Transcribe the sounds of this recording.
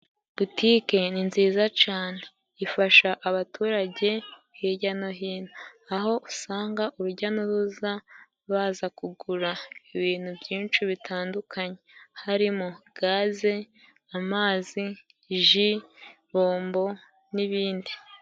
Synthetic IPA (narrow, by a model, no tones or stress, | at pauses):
b̥utʰike̞ninziːzat͡ʃaːne̞ | ifaʃaʔaβatʰuːɾaɟe̞ | hiɟano̞ɦiːnaːɦo̞ʔusaːŋɡaʔuɾuɟanoɾuza | βaːzakuɡuɾaiβiːn̥hubɟiːnt͡ʃuβitʰaːndukʰaɲe̞haɾimoɡ̥aːze̞ | amaːzi | ʒi | βo̞ːmbo̞ | niβiːndi